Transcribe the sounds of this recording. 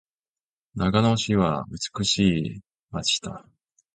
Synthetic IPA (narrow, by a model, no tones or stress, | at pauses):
naɡanoɕiβa̰ɯ̟t͡sɨ̥kɯ̟ɕiː | mat͡ɕi̥t̪a